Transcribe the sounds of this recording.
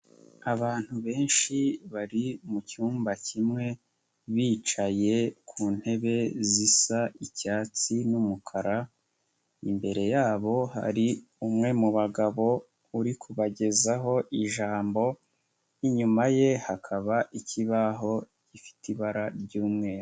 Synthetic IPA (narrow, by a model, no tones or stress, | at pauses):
aβaːn̥huβe̞ːnʃiβaɾimucuːmbacʰimŋe̞ | βiːt͡ʃaje̞kʰuːn̥he̞βe̞zisaicaːt͡sinumukʰaɾa | imbe̞ɾe̞jaːβo̞ɦa̰ɾiumŋe̞muβaɡaβo̞ | uɾikʰuβaɟe̞zaɦo̞ʔiʒaːmbo̞ | iɲumaje̞hakʰaβaʔiciβaɦo̞ | ɟ̥ifi̥tʰiβaɾaɾɟuːmŋe̞ɾ